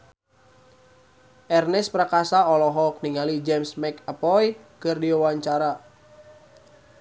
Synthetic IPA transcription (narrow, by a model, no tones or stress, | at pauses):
ʔɛrnɛspɾakasaɔlɔɦɔk̚niŋalid͡ʒɛmsmɛkapɔjkɨrdiwawaɲt͡ʃaɾa